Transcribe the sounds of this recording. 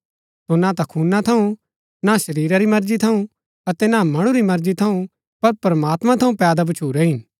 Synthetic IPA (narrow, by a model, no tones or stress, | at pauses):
sonat̪ɐkʰuːnat̪ʰɐũ | nasɐɾiːɾaɾimɐɾd͡ʒit̪ʰɐũ | ɐt̪ɛnamɐɽ̃ũɾimɐɾd͡ʒit̪ʰɐũ | pɐɾpɐɾmaːt̪mãt̪ʰɐũpɛːd̪ab̬ɐt͡ʃʰuːɾɛɦɪn